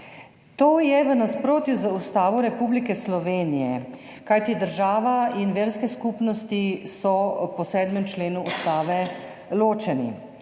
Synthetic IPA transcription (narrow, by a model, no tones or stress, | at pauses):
t̪oːjɛʋənaspɾoːt̪juzəust̪aːʋɔɾɛpublikɛslɔʋeːnijɛ | kajt̪id̪əɾʒaːʋainʋeːɾskɛskuːpnɔst̪isɔpɔsɛːd̪mɛmt͡ʃleːnuust̪aːʋɛ | loːt͡ʃɛnḭ